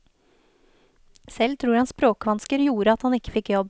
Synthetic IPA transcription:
sɛlt̪ʰɾuːɾhɑnspɾoːkəʋɑnskəɾjuːɾəɑt̪hɑnɪkːə̥fɪkːjɔb

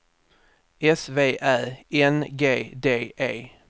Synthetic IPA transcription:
ɛsveːʔæːɛnɡeːd̪eːʔeː

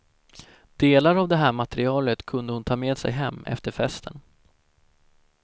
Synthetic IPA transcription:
d̪̥eːlaɾavd̪ɛɦæːɾmat̪ɛɾɪɑːlət̪kʰɵnd̪əhʊnt̪ʰɑːmeːd̪sɛ̰jɦɛmːɛ̰ft̪əɾfɛst̪ʰən

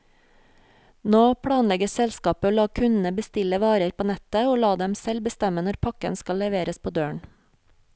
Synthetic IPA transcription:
noːpʰɽɑːnlɛɡəsɛlskɑːpəoːlɑːkʰʉnn̩əbəst̪ɪləʋɑːɾəɾpʰoːnɛt̪əoːlɑːd̪ɛmsɛlbəst̪ɛmənɔɾpʰɑkənskɑlːɛʋeːɾəspʰoːd̪øːɳ

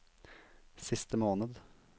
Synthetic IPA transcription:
sɪst̪əmoːnəd̪

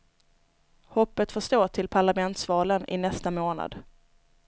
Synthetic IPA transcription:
hɔpːət̪fœʂt̪oːʈʰɪlpʰaɭamɛnt̪svɑːlənɪ̰nɛst̪amoːna̰d̪

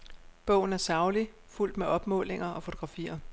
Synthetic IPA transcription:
b̥ɔ̽ʊ̰n̩æɐsɑ̈ʊli | ful̰d̥meʔɒ̽b̥mɔ̰̽ːle̝ŋɐʔɒ̽fo̝t͡sʰoɡ̥ʁɑ̈fḭːɐ

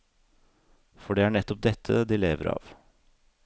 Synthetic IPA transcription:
fɔɖɛæɳɛt̪ːɔp̚d̪ɛt̪ʰːə̰d̪ileːʋəɾɑ̰ːʋ

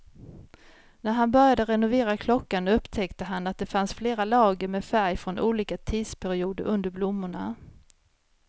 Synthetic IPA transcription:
næɾɦanbœɾjad̪əɾɛnʊveːɾakʰlɔkːanɵpːt̪ʰɛkt̪əɦanat̪̚d̪ɛfansfleːɾalɑːɡəɾmɛfæɾjfɾɔnʔuːliːkat̪ʰiːd̪spʰæɾɪuːd̪ə̰ɾʔɵnd̪əɾblʊmːʊɳa

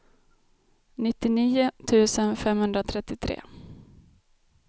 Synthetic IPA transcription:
nɪt̪ːɪniːʊt̪ʰʉ̟ːsənfɛmhɵnd̪ɾat̪ʰɾɛt̪ːɪt̪ʰɾḛː

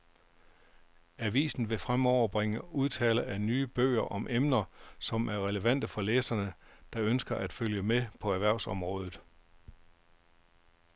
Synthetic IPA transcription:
æʋḭːsn̩ʋe̝fʁamɒʊ̰ɐb̥ʁeŋəuð̞ˠt͡sʰɛ̰ːləænyːb̥ø̰ːɐʔɒ̽mʔemnɐsɒ̽mʔæɐʁɛləʋæn̰d̥əfɒ̽leːsɐnəd̥ɑ̈ønsɡ̥ɐʔæd̥føljəmepʰɒ̽æɐʋæɐ̰sɒ̽mʁɔ̽ːð̞ˠð̩ˠ

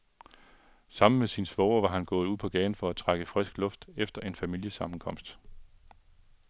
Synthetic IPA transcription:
sɑ̈m̰n̩mesinsʋɒʊɐʋɑ̈ɦænɡ̥ɔ̽ːð̩ˠuð̰ˠpʰɒ̽ɡ̥ɛːn̩fɒ̽æt͡sʰʁaɡ̥əfʁɛsɡ̥lɔ̽fd̥efd̥ɐe̝nfæmil̰jəsɑ̈mn̩kʰɒ̽m̰sd̥

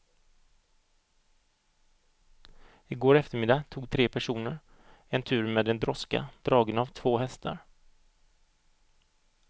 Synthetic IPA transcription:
ɪɡoːɾɛft̪əɾmɪd̪at̪ʰuːɡ̚t̪ʰɾeːpʰæʂuːnəɾ | ɛnt̪ʰʉ̟ːɾmɛːd̪ɛnd̪ɾɔska̰d̪̥ɾɑːɡənavt̪ʰvoːɦɛst̪ʰa̰ɾ

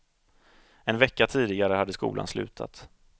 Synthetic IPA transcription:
ɛnvɛkːat̪ʰiːd̪ɪɡaɾəhad̪ːəskṵːla̰nslʉ̟̰ːt̪ʰa̰t̪

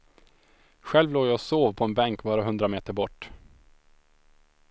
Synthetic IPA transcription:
ɧɛlvloːjɑːsoːvpʰɔɛnbɛŋkbɑːɾaɦɵnd̪ɾameːt̪əɾbɔʈː

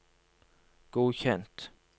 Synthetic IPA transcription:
ɡ̥uːɕɛnt̪

